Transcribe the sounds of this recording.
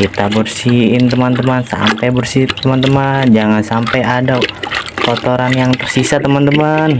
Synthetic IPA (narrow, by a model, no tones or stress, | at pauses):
it̪abərsiɪnt̪əmant̪əmansa̰mpajbərsit̪əmant̪əmand͡ʒaŋansampajadapot̪oɾanjaŋt̪ərsisat̪əmant̪əman